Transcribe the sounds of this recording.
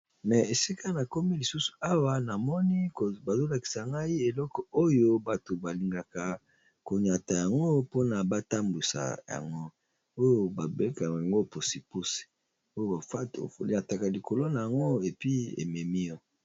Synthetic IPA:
mɛ˨e˨si˦ka˦na˨ko˦mi˦li˨su˦su̥˨a˦wa˦na˨mɔ˦ni˦˨ba˨zo˦la˨ki̥˨sa˨ŋɡa˦i˦e˨lɔ˦kɔ˨o˦jo˦ba˨to˨ba˨li˨ŋɡa˨ka˨ | ko˨ɲa˨ta˨ja˨ŋɡo˦po˦na˨ba˦ta˦mbu˨sa̰˨ja̰˨ŋɡo˦ | o˦jo˦ba˨be˦ka˨a˨ŋɡo˦˨po˨si˨pu˦si̥˨ | o˦jo˦a˨˦˨ɲa˨ta˨ka˨li˨kʰo˨lo˦na˨ja˨ŋɡo˦e˨pi˦ḛ˨mɛ˨mi˦ɔ˦

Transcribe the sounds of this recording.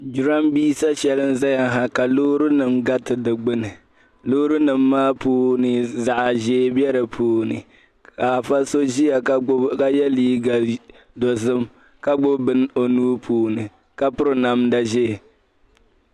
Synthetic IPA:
d͡ʒu˨ɾa˦mbiː˦sa˦ʃɛ˨lɨ˦nza˦ja˨ɦa˨ka˨loː˦ɾu˦nɨ˨mɡa˦tɨ˨dɨ˨ɡ͡bɨ˦nɨ˨ | loː˦ɾu˦nɨ˨mːaː˦puː˦nɨ˨za˨ʔa˨ʒeː˦bjɛ˦ɾɨ˨pʰuː˨nɨ̰˨ | ka˨fa˦so˦ʒi˦ja˨kka˦jɛ˦liː˦ɡa˨ | dɔ˨zɨ˦m | ka˦ɡ͡bʊ˦bɨ˦n˦o˨nuː˦pʰuː˨nɨ˨ | ka˦pʊ˦ɾɨ˨na˨mda˨ʒe˦˨

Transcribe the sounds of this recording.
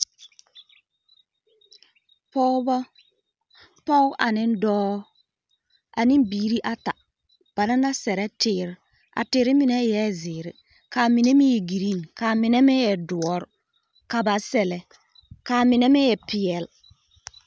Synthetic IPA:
pɔ˦bɔ˦ | pɔ˦wʔa̰˨nɪ˦n˦dɔː˦ | a˨ni˦nbiː˨˦ɾi˦ʔa˦ta˨ | b̥a˨na˦na˦sɛ˨ɾɛ˦tɪ˨ɾ | a̰˨tɪ˨˦ɾɪ˦mi˨nɛ˦jɛ˦zɪ˨ɾɪ˦ | ka˨mi˨ne˦mi˦je˨ɡi˨ɾi˦˨nka˨mɪ˨nɛ˦me˦jɛ˨du˨ɔ˦ɾ | ka˨ba˨sɛ˨lɛ˨ | ka˨mɪ˨nɛ˦mi˦jɛ˨pi˨ɛ˨l

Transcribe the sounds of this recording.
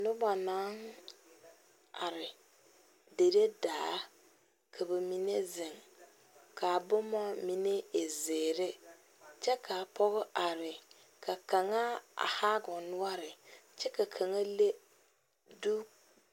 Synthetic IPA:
nʊ˦ba˨na˨˦ŋ | a˨ɾɪ˨ | de˨ɾe˦daː˨˦ | kʰa˨bɛ˨mi˨ne˦zɪ˨ŋ | kʰa˨bʊ˦mɔ˦mi˦ne˦e˨zeː˨ɾe˦ | t͡ʃɛ˦ka˨pɔ˦ɣʊ˦ʔa˨ɾɪ˨ | kʰa˨ka˨ŋa˦a̰˨haː˦ɡʊ˨nʊ˦a˦ɾɪ˨t͡ʃɛ˦ka˨kʰa˨ŋa˦le˦ | du˦

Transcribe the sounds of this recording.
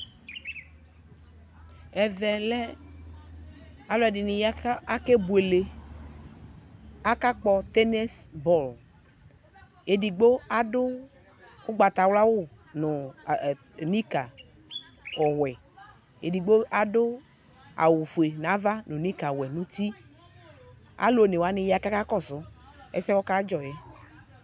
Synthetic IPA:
ɛ˨ðɛ˨lɛ˦ | a˨lɛ˨ɖi˨nĩ˨ja˦ke˦bu˨e˨le˨ | a˦ka˦k͡pɔ˦t̪ɛ˦ne˦sbɔ˦˨l | e˨di˨ɡ͡bo˦a˨dʊ˦ | o˦ɡ͡ba˨t̪a˨wla˦wo˦ | nʊ̃˨ | nĩ˦ka˨ | ɔ˨wɛ˨ | e˨di˨ɡ͡bo˦a˨dʊ˦ | a̰˨wu˨fu˨e˨na˨˦va˦nʊ̃˨nĩ˦ka˨wɛ˨nũ˦ti˦ | a̰˨˦lo˦˨ne˨wa˨˦nɪ̃˦ja˨ka˦ka˦kɔ˦˨sʊ˦ | ɛ̰˦sɛ˦wɔ˦ka˦d͡ʒɔ˨jɛ˨

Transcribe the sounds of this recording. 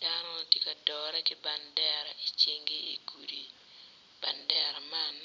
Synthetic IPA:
d̥anɔ˦˨tje˦ka˨dɔ˨ɾa˦kɪ˦ba˨ndɛ˦ɾa˨i˨t͡ʃe˦ŋɡe˦i˨ɡu˨ɾi˨ | b̥a˨ndɛ˦ɾa˨man

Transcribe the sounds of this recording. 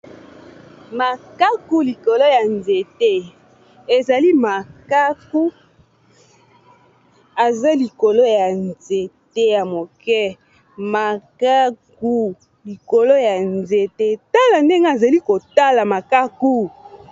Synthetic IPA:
ma˨ka˦ku˦li˨ko˨lo˦ja˨nze˨te˦ | e˨za˨li˦ma˨ka˦ku˦ | a˨za˦li˨ko˨lo˦ja˨nze˨te˦ja˨mo˨kɛ˦ | ma˨ka˦k̚u˦ | li˨ko˨lo˦ja˨nze˨te˦ta˦la˨nde˦ŋɡe˦a˨za˨li˦ko˨ta˦la˨ma˨ka˦ku˦

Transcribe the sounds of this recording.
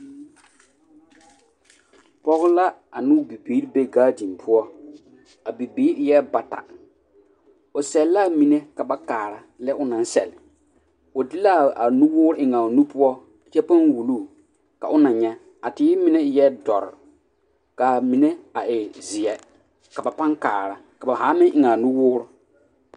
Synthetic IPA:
pɔ˦ɣʊ˦la˦a˨nʊ˦bi˨biː˨˦ɾbe˦ɡaː˦di˨m˨pʰʊ˦ɔ˦ | a˨bi˨biː˨˦ɾjɛ˦ba˨ta̰˨ | ʊ˨sɛ˨lla˦˨mi˨ne˦ka˨ba˦kaː˨ɾa˨ | lɛ˦ʔʊ˦nã˨n˦sɛ̰˨lɪ˨ | ʊ˨dɪ˦la˦˨a˨nũ˦wʊː˦ɾʊ˦ʔɪ˨ŋa˨nu˦pʊ˦ɔ˦ | a˨t͡ʃɛ˦pa˦nwu˨luː˦˨ | ka̰˨ʔʊ˦nã˨ɲɛ˦ | a˨tɪ˨˦mɪ˦ne˦jɛ˦dɔ̰˨ɾɪ̰˨ | ka˨mi˨ne˦a˨ʔɪ˨zɪ˨ɛ˨ | ka˨ba˨pa˦ŋka̰ː˨ɾa˨ka˨ba˨ɦaː˨˦mɪ̃˦ʔɪ˨ŋa˨nũ˦wʊː˦ɾʊ˦

